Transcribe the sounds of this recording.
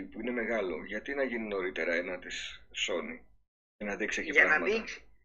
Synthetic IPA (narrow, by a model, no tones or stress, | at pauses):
puine̞me̞ɣɐlo̞̰ʝɐt̪inɐʝinino̞ɾit̪e̞ɾɐenɐt̪isso̞ni | enɐðikseciɾɐɐmɐis